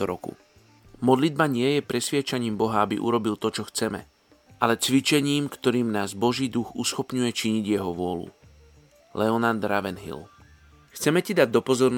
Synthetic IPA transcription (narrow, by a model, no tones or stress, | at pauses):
ɔɾɔkṵ | mɔd̪lid̪̚baɲɪɛjɛpɾɛsʋɪɛt͡ʃaɲiːmbɔɦaabḭʔṵɾɔbilt̪ɔt͡ʃɔxt͡sɛmɛ̰ | ʔalɛt͡sʋit͡ʃɛɲiːmkt̪ɔɾiːmnaːzbɔʒiːd̪uɣusxɔpɲujɛt͡ʃiɲiɟjɛɦɔʋʊɔlṵ | lɛɔnand̪ɾaʋɛnɦḭl | xt͡sɛmɛcid̪aɟ̚d̪ɔpɔzɔɾn